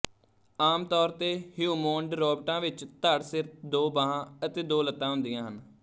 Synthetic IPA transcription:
aːmt̪ɔːɾt̪eːhjuːmõːɳɖɾɔːbʈãːʋɪt͡ʃt̪aɽsɪɾp̚d̪oːbaːɦãːət̪eːd̪oːlət̪ːãːɦʊ̃nd̪ɪjãːɦən

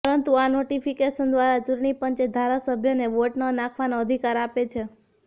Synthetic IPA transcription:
pəɾənt̪uanoʈifʰikeʃənd̪ʋaɾad͡ʒuɾɳipəɲt͡ʃed̪ʱaɾasəbʱjəneʋoʈnənãkʰʋanoəd̪ʱikaɾapet͡ʃʰe

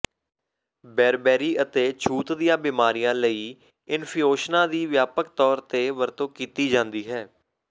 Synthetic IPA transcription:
bɛːɾbɛːɾiːət̪eːt͡ʃʰuːt̪d̪ijãːbiːmaːɾijãːləiː | ɪnpʰioːʃnãːd̪iːʋjaːpək̚t̪ɔːɾt̪eːʋəɾt̪õːkiːt̪iːd͡ʒãːnd̪iːɦɛː

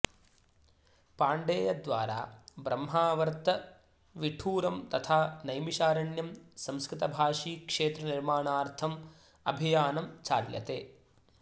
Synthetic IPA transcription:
paːɳɖeːjɐd̪ʋa̰ːɾa̰ːbɾɐmːɦaːʋɐɾt̪ɐ | ʋiʈʰuːɾɐmt̪ɐt̪ʰaːnɐjmiʃaːɾɐɳjɐmsɐmskɾɪt̪ɐbʱaːʂiːkʂeːt̪ɾɐniɾmaːɳaːɾt̪ʰɐm | ɐ̰bʱijaːnɐmt͡ʃaːɾjɐ̰t̪eː

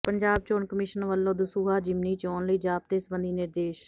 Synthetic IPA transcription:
pəɲd͡ʒaːb̚t͡ʃoːnkəmɪʃənʋəlːõːd̪əsuːɦaːd͡ʒɪmniːt͡ʃɔːnləiːd͡ʒaːp̚t̪eːsəbənd̪iːnɪɾd̪eːʃ

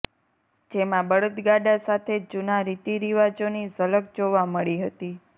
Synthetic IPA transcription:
d͡ʒemãbəɽət̪ɡaɖasat̪ʰed͡ʒunaɾit̪iɾiʋad͡ʒonizələk̚d͡ʒoʋaməɭiɦət̪i

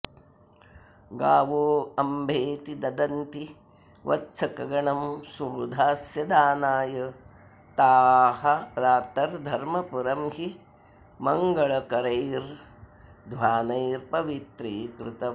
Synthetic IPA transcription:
ɡaːʋoːɐmbʱeːt̪id̪ɐd̪ɐnt̪i | ʋʔɐ̰t̪sʰɐkɐɡɐɳɐmsuɾud̪ʱaːsjɐd̪aːnaːjɐ | t̪aːhɐɾaːt̪ɐɾd̪ʱɐɾmɐpuɾɐmhi | mɐŋɡɐɭɐkɐɾɐjɾ | d̪ʱʋaːnɐjɾpɐʋit̪ɾiːkɾɪt̪ɐ

